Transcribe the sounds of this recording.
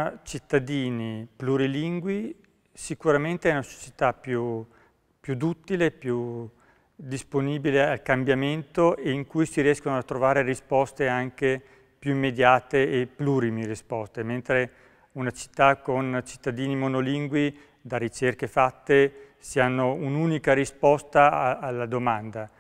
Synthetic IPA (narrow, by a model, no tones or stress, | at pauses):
t͡ʃit̪ːad̪iːnipluɾiliŋɡwi | sikuɾament̪eɛunaso̥t͡ʃi̥t̪apju | pjud̪ut̪ːilepju | d̪isponiːbilealkambjament̪oʔeiŋkujsiɾiɛskonoat̪ːɾovaːɾerispɔst̪eaŋke | pjuimːed̪jaːt̪eːpːluɾimirispɔst̪ement̪ɾe | unat͡ʃi̥t̪ːakont͡ʃi̥t̪ːad̪iːnimonoliŋɡwi | d̪arit͡ʃerkefat̪ːe | sianːounuːnikaɾispɔst̪aaːlːad̪omand̪a